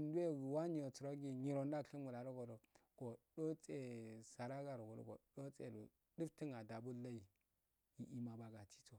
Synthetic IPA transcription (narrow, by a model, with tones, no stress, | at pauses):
n˦du˦e˦ɡwa˦ɲi˦˨o˨t͡su˨ɾo˦ɡi˦ɲi˨ɾo˨nda˦˨˦i˦mu˨la˨ɾo˦ɡo˨do˨ɡ̥o˨do˦t͡se˦sa˨ɾa˦ɡa˨ɾo˨ɡo˨o̰˦ɡo̰˨do˦t͡sḛ˨lṵ˨ | di˦fti˦ŋa˨da˨bu˦la˦i˨ | ji˦ʔi˦ma˨ba˨ɡa˨ti̥˦t͡so˨